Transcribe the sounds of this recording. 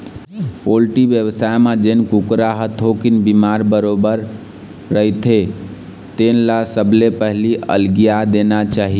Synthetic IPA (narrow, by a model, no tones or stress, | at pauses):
olʈibjəwəsajmad͡ʒenkukɾaɦət̪ʰokinbimaɾbəɾobəɾː | əit̪ʰe | t̪enlasəblepəɦliə̰lɡijad̪enat͡ʃaɦi